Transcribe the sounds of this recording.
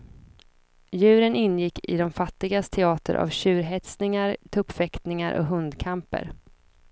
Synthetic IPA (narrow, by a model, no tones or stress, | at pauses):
jʉ̟ːɾənɪnːjɪkːɪ̰d̪ɔmfat̪ːɪɡast̪ʰɛɑːt̪ʰə̰ɾʔa̰vɕʉ̟ːɾɦɛt̪snɪŋaɾt̪ʰɵpfɛkt̪nɪŋaɾʔɔ̰ɦɵnd̪kʰampə̰ɾ